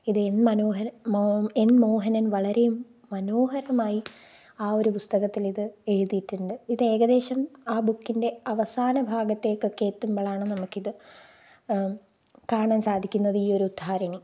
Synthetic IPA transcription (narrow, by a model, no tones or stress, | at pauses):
iðɨenmɐnoːɦɐɾɐenmo̞ːɦɐnɐnʋɐɭɐɾe̞jumː | ɐno̞ːɦɐɾɐmaːji | aːo̞ɾupust̪ɐɣɐt̪ːiliðɨe̞ɻuðiʈːuɳɖɨiðe̞ːɡɐd̪e̞ːɕɐmaːbukːinde̞ɐʋɐsaːnɐbʱaːɡɐt̪ːe̞ːkːokːe̞ːt̪ːumbɐɭaːɳɨnɐmukːiðɨ | kaːɐɳaːnsaːd̪ʱikʲːunːɐðiːo̞ɾuud̪ʱaːɾɐɳi